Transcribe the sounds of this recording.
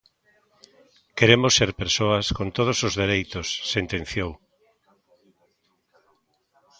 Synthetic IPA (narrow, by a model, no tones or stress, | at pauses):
keɾemʊsːeɾpeɾsoɐskont̪oð̞osozðeɾejt̪osːent̪ẽn̟θjow